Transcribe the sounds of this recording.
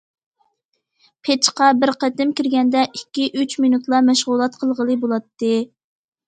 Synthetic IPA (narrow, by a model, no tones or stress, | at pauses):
pʰet͡ʃqɑbɪɾqʰæt̪ɪmkʲiɾɡʲɛnd̪ɛʔikʲːiʔyt͡ʃminut̪lˠɑmɛʃʁulˠɑt̪qʰəlˠʁəlˠɨbolˠɑt̪ːɨ